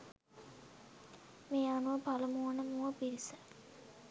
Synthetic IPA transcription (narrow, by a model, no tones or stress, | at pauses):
meːanuʋəpaləmuʋənəmuʋəpiɾisə